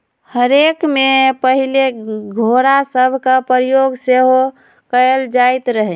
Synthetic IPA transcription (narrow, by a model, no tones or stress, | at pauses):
həɾekmepəɦileɡʱoɾasəbʱkapɾijoɡseɦo | kəld͡ʒajt̪ɾəɦɛ